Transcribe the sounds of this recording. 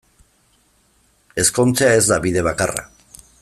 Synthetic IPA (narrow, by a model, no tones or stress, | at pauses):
e̞sko̞nt͡seae̞zd̪aβið̞e̞β̞akara̰